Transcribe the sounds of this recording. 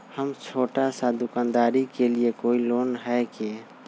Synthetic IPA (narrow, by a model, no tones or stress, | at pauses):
həmt͡ʃʰoːʈasad̪ʊkand̪aːɾikeliekoːiloːnɦɛki